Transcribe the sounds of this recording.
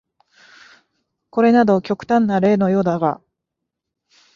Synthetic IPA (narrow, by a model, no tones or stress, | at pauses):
ko̞ɾe̞nad̪o̞kʲo̞kɯ̟̥t̪ãnːaɾe̞ːno̞jo̞ːd̪aɡa̰